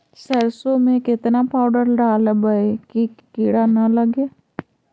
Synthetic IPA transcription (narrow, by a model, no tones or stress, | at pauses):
səɾsomẽkɪt̪napaːʊɖəɾɖaːlbəekikiɽanɐləɡeː